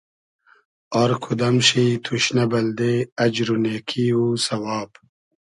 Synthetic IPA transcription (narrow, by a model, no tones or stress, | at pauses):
ɔːɾkʰud̪ɐmɕit̪ʰuɕnɐbɐld̪eɐd͡ʑɾuneːkʰiuːsɐwaːb